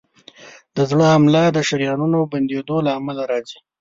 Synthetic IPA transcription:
d̪̥əzɽəhamlad̪əʃaɾjɑnunoband̪ed̪olaːmalaɾɑzi

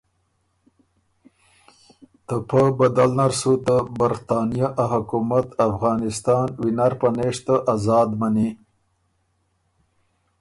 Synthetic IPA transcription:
t̪əpəbad̪alnaɾsut̪əbaɾt̪ɑnijaʔaɦʊkumat̪afɣɑːnɪst̪ɑːnwinaɾpaneʂt̪əʔazɑːd̪mani

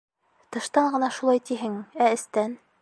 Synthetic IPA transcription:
t̪ɤ̆ʃt̪ɑɴɢɤ̆nɑʃulˠɑjt̪iɦɘŋæɘ̆st̪æn

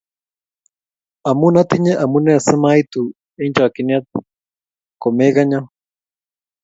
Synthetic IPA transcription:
amunat̪iɲeʔamunesəmajt̪u | end͡ʒakiniat̪̚ | komekaɲa

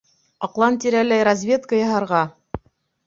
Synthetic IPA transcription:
ɑqlˠɑnt̪iɾælæjɾazʲvʲe̞t̪kəjɑɦɑɾʁɑ

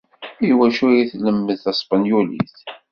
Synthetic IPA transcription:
jwæʃuɾiθləmːəðθæsˤpɑnjulḭθ

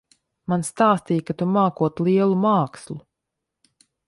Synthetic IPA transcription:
manst̪aːst̪iːjkat̪umaːkuɔt̪lˠiɛlˠumaːkslˠu

